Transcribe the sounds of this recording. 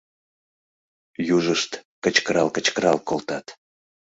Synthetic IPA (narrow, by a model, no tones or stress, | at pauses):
juʒəʃt̪kət͡ɕkəɾɑlkət͡ɕkəɾɑlkolt̪ɑt̪